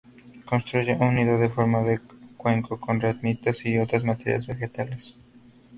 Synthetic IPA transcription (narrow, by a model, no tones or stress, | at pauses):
ko̞nst̪ɾuʝeʔunːiðoðefo̞ɾmaðekwe̞ŋkʰoko̞nrat̪mit̪asio̞t̪ɾazmat̪ḛɾja̰zβe̞xe̞t̪ales